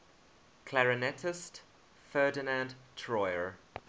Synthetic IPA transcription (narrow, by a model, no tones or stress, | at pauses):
kʰlaɹɪnɛtʰɪst | fɜːdɪnãndtʰɹɔɪəɹ